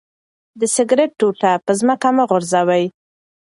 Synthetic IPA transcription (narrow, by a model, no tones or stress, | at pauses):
d̪əsɪɡɾeʈ̚ːoʈapəzməkamaɣʊɾzawaj